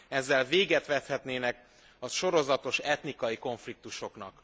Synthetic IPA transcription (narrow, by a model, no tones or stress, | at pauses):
ɛzːɛlveːɡɛt̪ʋɛt̪hɛt̪neːnɛk | ɒʃo̞ɾo̞zɒt̪o̞ʃɛt̪nikɒjiko̞ɱflik̚t̪uʃo̞knɒk